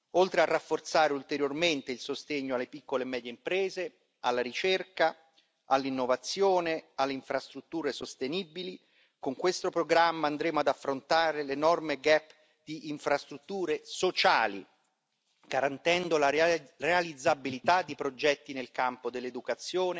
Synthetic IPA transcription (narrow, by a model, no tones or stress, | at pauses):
olt̪ɾearːafːort̪saːɾeult̪eɾjorment̪eilsost̪eɲːoalːepikːolemɛːd̪jeimpɾɛːze | alːaɾit͡ʃerka | alːinːovat̪sːjoːnealːeiɱfɾast̪ɾut̪ːuːɾesost̪enibili | koŋkwest̪opɾoɡɾamːaand̪ɾeːmoad̪afːɾont̪aːɾelenɔrmeɡɛpː | d̪̥iʔːɱfɾast̪ɾut̪ːuːɾesot͡ʃaːlḭ | ɡ̥aɾant̪ɛnd̪olarealid̪zːabilit̪ad̪ːipɾod͡ʒɛt̪ːinelkampod̪elːed̪ukat̪sːjoːne